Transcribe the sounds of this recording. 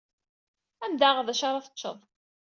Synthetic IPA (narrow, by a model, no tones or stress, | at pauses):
æmd̪aʁðæʃɑɾˤɑθə̥tːʃːə̰ðˤ